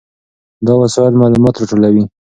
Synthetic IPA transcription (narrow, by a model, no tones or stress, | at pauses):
d̪ɑwasɑɪlmɑlumɑt̪ɾɑʈolawi